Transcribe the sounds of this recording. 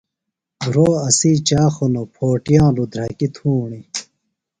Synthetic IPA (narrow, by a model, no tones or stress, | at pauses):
bɾoːɐsiːt͡ɕaːxonopʰoːʈjãːlud̪ʱɾɐkit̪ʰuːɳi